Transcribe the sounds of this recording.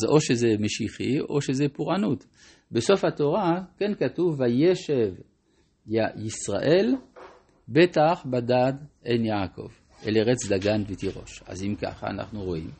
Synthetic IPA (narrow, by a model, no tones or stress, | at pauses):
azo̞ʃezemeʃiχio̞ʃezepuʁanut̪ | beso̞fhat̪oʁakenkatuvajeʃev | ajisʁa̰ʔel | betaχbad̪adenjaːko̞̰v | ʔeleʁet͡sd̪aɡanvet̪iʁo̞̰ʃa̰zimka̰χa̰ːna̰χnuʁoʔḭm